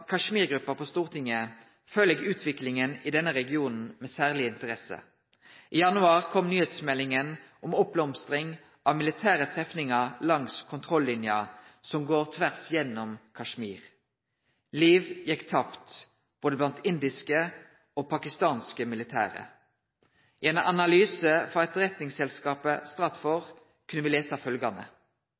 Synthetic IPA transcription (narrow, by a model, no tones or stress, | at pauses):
kʰɑʂmiːʁɡʁʉpːəpʰɔːst̪uːʁt̪ʰɪŋːə | føːleɡʉːt̪ʰʋɪklɪŋənɪd̪ɛnːəʁɛɡɪuːnn̩meːsæːʁlɪɪnt̪əʁɛsə̰ | ʔiːjɑnʉɑːʁkʰɔmnyːheːt̪smɛlːɪŋənʔɔmɔp̚blɔmst̪ʁɪŋ | ʔɑʋmɪlɪt̪ʰæːʁət̪ʰʁɛfnɪŋɑlɑŋskʰʊnt̪ʰʁɔlːɪnjɑsɔmɡoːʁt̪ʰʋæʁsjɛnːɔmkʰɑʃmiːʁ | liːʋjɛkːt̪ʰɑpt̪ | b̥oːd̪əblɑnt̪ɪnd̪ɪskə | oːpʰɑkɪst̪ɑːnskəmɪlɪt̪ʰæ̰ːʁə̰ | ʔɪɛnɑnɑlyːsəfɔʁɛt̪ʁɛt̪nɪŋsɛlskɑːpəst̪ʁɑt̪fɔʁ | kʰʉnːəʋiːleːsɑfœlɡɑnə̰